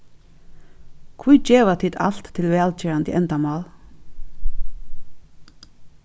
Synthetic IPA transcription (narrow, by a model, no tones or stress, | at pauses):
kʰvujt͡ɕeːʋat̪ʰiːt̪a̰l̥t̪ʰːɪlʋɛːlt͡ɕɛːɹant̪ḭʔɛnt̪amɑːl